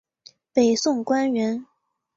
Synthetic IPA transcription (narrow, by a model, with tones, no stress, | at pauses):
pe˨˩ɪsʊ˥˩ŋkwa˥nɥɛ˧˥n